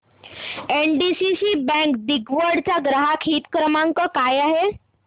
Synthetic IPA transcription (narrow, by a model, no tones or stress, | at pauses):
enɖisisiːbɛ̃ŋkd̪iɡʋəɽt͡saɡɾəɦakʰiːt̪kɾəmãŋkəkajaɦe